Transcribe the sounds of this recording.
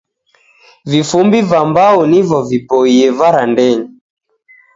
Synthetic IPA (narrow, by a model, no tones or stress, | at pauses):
vifumbivambaunivɔvipɔiɛvaɾandɛɲi